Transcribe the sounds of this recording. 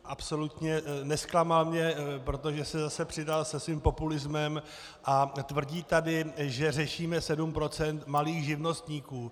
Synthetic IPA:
ʔapso̞lut̪ɲɛnɛsklamalmɲɛpɾo̞t̪oʒɛsɛzasɛpr̝̥ɪdalsɛsviːmpo̞pulɪzmɛm | ʔat̪vr̩ɟiːt̪adɪʒɛrɛʃiːmɛsɛdumpɾo̞t͡sɛnt̪maliːxʒɪvno̞st̪ɲiːkuː

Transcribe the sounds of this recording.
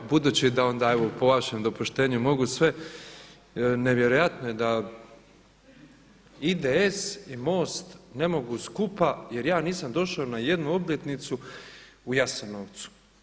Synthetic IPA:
bud̪uːt͡ɕid̪ao̞nd̪aːeʋopo̞ʋaʃemd̪o̞puʃt̪e̞ːɲumo̞ɡusʋe̞ | ne̞ʋje̞ɾo̞jat̪noje̞d̪a | id̪eesimo̞ːst̪ne̞mo̞ɡuskupaje̞ɾjaːniːsamd̪o̞ʃaonaje̞d̪nuo̞blʲet̪nit̪su | ujasanoʋt̪su̥

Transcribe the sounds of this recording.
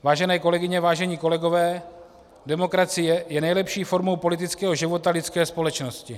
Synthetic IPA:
vaːʒɛnɛːko̞lɛɡɪɲɛvaːʒɛɲiːko̞lɛɡo̞vɛː | dɛmo̞kɾat͡sɪjɛjɛnɛjlɛpʃiːfo̞ɾmo̞wpo̞lɪt̪ɪt͡skɛːɦoʒɪvo̞t̪alɪt͡skɛːspo̞lɛt͡ʃno̞scɪ

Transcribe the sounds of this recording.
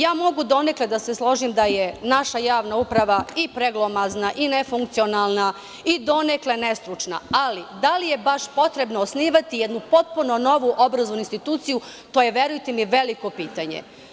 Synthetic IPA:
jaːmo̞ɡud̪o̞nekled̪ase̞slˠo̞ʒimd̪ajenaʃajaːʋnaupɾaʋaipɾeɡlˠomaznaʔinefuŋkt̪sio̞naːlˠna | id̪o̞nekle̞ne̞st̪ɾut͡ʃna̰alid̪alije̞baʃpo̞t̪ɾe̞bnoːsniːʋat̪ijed̪nupo̞t̪̚punono̞ʋuʔo̞bɾazonuinst̪it̪uːt̪siju | t̪oːje̞ʋjeɾujt̪emiʋe̞liko̞piːt̪aɲḛ

